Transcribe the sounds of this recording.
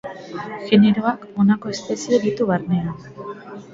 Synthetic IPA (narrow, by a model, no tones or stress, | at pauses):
ʝe̞ne̞ɾo̞ako̞nako̞e̞spesie̞ðit̪uβarne̞an